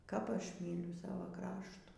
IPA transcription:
kɐp ˈɐʃ ˈmʲiːlʲʊ ˈsɑːʋɐ ˈkrɑːʃtuː

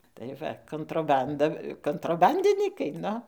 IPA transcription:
tɐɪ ˈʋɐ koːntroːˈbɐndɐ koːntroːˈbɐnʲdʲɪnʲiːkɐɪ ˈnʊ

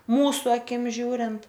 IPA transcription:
ˈmuːsʊ ɐˈkʲɪm ˈʒʲuːrʲɪnt

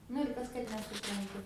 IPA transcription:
nʊ ɪr ˈkɐs kɐt nʲɛsʊprɐnˈtʊ

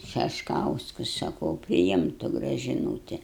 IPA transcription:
ʃʲɛʃˈkɐʊskʊs sɐˈkɐʊ pʲrʲɪˈɪmtʊ ɡrɐʒʲɪˈnuːtʲɪ

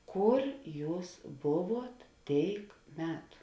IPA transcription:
ˈkʊr ˈjuːs ˈbʊˌʋuɔt ˈtʲeːɪk ˈmʲæːtʊ

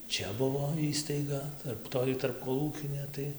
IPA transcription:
ˈt͡ʃʲɛ ˈbʊʋoː ˈiːstɐɪɡɐ ˈtɐrp ˈtoːj tɐrpkoːˈlˠuːkʲɪnʲeː ˈtɐɪ

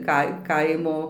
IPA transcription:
ˈkɐɪ ˈkɐɪmoː

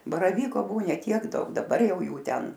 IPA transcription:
bɐrɐˈʋʲiːkoː ˈbuɔ ˈnʲɛ tʲiɛk ˈdɐʊk dɐˈbɐr ˈjɛʊ ˈjuː ˈtʲɛn

